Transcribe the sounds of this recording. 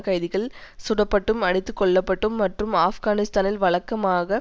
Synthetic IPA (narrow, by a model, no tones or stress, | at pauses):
kɐjðɪɣɐɭsʊɽɐpːɐʈːɯmɐɽɪt̪ːɯkːɔɭːɐpːɐʈːɯmːɐʈrɯmaːfɡaːnɪst̪aːnɪlʋɐɭɐkːɐmaːɣɐ